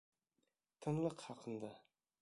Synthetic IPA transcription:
t̪ʰɨnlˠəqhɑqʰənd̪ɑ

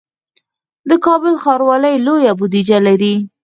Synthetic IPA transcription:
d̪əkɑbəlxɑɾwɑləjlojabʊd̪id͡ʒalaɾi

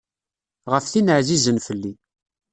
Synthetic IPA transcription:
ʁəfθinəʕzizənfəlːi

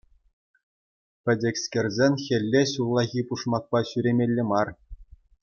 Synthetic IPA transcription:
pʲɘ̆dʲɘ̆kʲskʲĕrʲzʲenʲxʲɘ̆lʲːeɕullˠɑɣʲipuʂmɑk̚pɑɕyɾʲemʲelʲːɘ̆mɑr

